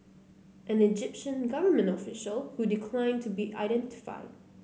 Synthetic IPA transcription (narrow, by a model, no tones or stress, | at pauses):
ʔɨ̃nɨd͡ʒɪpʃɨ̃nɡʌvə˞mɨ̃ntɔfɪʃəlˠhudɪkʰl̥ãɪ̃ntʰubiʔa̰ɪɾɛ̃ntɪ̥fa̰ɪd̥̚